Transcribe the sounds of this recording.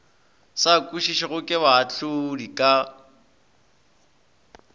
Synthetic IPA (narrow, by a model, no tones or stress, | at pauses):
sakʼuʃiʃɪɣʊkʼɪβaat͡ɬʊdikʼa